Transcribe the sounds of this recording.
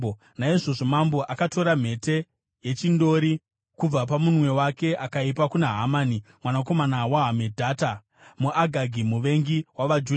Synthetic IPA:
naiʐo̞ʐo̞mambo̞ʔakato̞ɾam̤e̞te̞ | je̞t͡ʃindo̞ɾi | kub͡vap̬amunwe̞wake̞ʔakaipakunaɦamaːnimwanako̞manawaɦamedʱaːta | muʔaɡʱaɡʱimuʋe̞ŋɡiwaʋad͡ʒu

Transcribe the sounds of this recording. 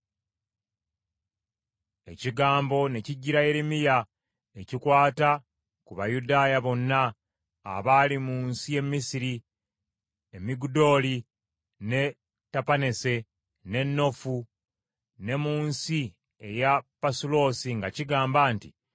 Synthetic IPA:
e̞̰ciɡaːmbo̞ne̞ciɟːiɾaje̞ɾemija | e̞cikwaːta | kuβajudaːjaβo̞nːa̰ː | βaːlimuːnsije̞mːisiɾi | emiɡudo̞ːli | ne̞ | tapane̞se̞ | ne̞nːo̞fu | ne̞muːnsi | e̞japasulo̞ːsiŋɡaciɡaːmbaːntḭ

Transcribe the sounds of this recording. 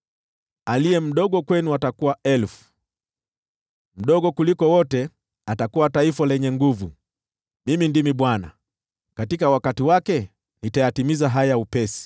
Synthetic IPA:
aliɛm̩ɗɔɠɔkwɛnuatakuwaɛlfu̥ | m̩ɗɔɠɔkulikɔwɔtɛ | atakuwataifalɛɲɛŋɡuvu | mimindimiɓwana̰ | katikawakatiwakɛ | nitajatimizaɦajaupɛsi̥

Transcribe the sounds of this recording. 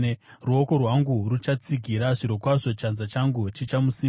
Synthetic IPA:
ruo̞ko̞rwaŋɡurut͡ʃat͡siɡʱiɾaʐiɾokwaʐo̞t͡ʃanzat͡ʃaŋɡut͡ʃit͡ʃamusi

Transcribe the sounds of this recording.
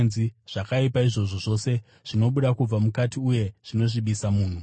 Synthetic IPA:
nziʐ̥akaipaiʐo̞ʐo̞ʐo̞ːse̞ | ʐ̥ino̞ɓuɗakub͡vamukatiuje̞ʐ̥ino̞ʐiɓisamuːn̤u

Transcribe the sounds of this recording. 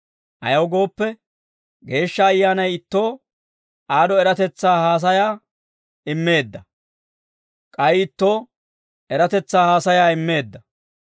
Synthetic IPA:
ʔɐ̰jɐwɡo̞ːpːɛ | ɡe̞ːʃːɐːjːaːnɐjɪt̪ːo̞ː | ʔaːd̪ɔɛɾɐt̪ɛt͡sːaːhaːs̬ɐjaː | ɪmːe̞ːd̪ːɐ | kʼɐjɪt̪ːo̞ː | ɛɾɐt̪ɛt͡sːaːhaːsɐjaːɪmːe̞ːd̪ːɐ

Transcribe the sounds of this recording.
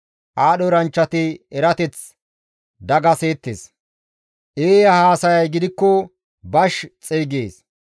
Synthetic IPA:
ʔaːɗɔɾɐnt͡ʃːɐt̪ɪɛɾɐt̪ɛt͡s | d̪ɐɡɐseːt̪ːḛs | ʔeːjɐhaːsɐjɐjɡɪd̪ɪkːɔ | bɐʃt͡sʼeːɡeːs

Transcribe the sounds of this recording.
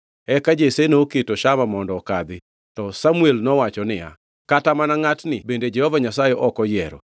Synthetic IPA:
ɛkad͡ʒesenoketoʃamamɔndɔkad̪ɪ | tɔsamuelnɔwat͡ʃɔnɪja̰ | katamanaŋatnɪbended͡ʒɛhɔvaɲasajeʔɔkɔjɛɾɔ̰

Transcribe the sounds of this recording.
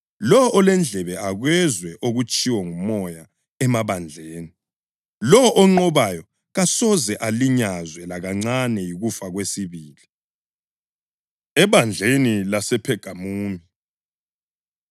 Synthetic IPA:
lɔʔːlɛnd͡ɮʱɛβɛaɣwɛzwɛʔoɣut͡ʃʼiwɔŋumɔja | ɛmaβand͡ɮʱeːni | lɔʔɔŋ͡ǃɔβajɔ | ɣasɔzɛʔaliɲazwɛlaɣaŋ͡ǀanɛjiɣufaɣwesiβiːli | ɛβand͡ɮʱenilasɛpʰɛɡ̥ʱamuːmi

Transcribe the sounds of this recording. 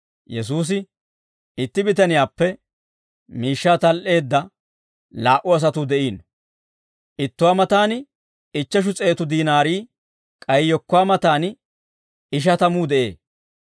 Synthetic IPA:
jɛs̬uːs̬ɪ | ɪt̪ːɪbɪt̪ɐnɪjaːpːɛ | miːʃːaːt̪ɐlʔe̞ːd̪ːɐ | laːʔʊɐs̬ɐt̪ud̪ɛʔiːn | ʔɪt̪ːʊwaːmɐt̪aːnɪ | ɪt͡ʃːɐʃ̬ʊt͡sʼe̞ːt̪ʊd̪iːnaːɾiː | kʼɐjjɔkːʊwaːmɐt̪aːn | ɪʃ̬ɐt̪ɐmuːd̪ɛʔe̞̰ː

